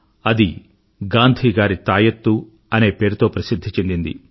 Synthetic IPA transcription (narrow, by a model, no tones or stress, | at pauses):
ɐd̪i | ɡaːnd̪ʱiːɡaːɾit̪aːjɐt̪ːu | ɐne̞ːpe̞ːɾut̪o̞ːpɾɐsid̪ʱːit͡ʃend̪ind̪ḭ